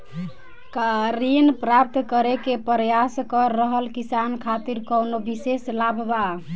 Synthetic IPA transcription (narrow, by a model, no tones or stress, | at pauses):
kaɾinpɾap̚t̪kəɾekepɾəjaskəɾːəɦəlkisankʰat̪iɾkəwnobiseslabʱba